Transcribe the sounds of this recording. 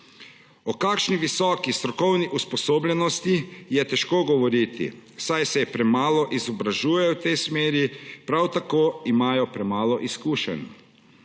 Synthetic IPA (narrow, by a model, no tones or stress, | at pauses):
ɔkaːkʃniʋisɔːkist̪ɾɔkɔwniʔuspɔsoːbʎɛnɔst̪ijɛt̪ɛʃkoːɡɔʋɔɾit̪ḭsajsɛpɾɛmaːlɔʔizɔbɾaʒuːjɛwt̪ɛjsmeːɾipɾawt̪akoːimaːjɔpɾɛmaːlɔʔiskuːʃɛ̰n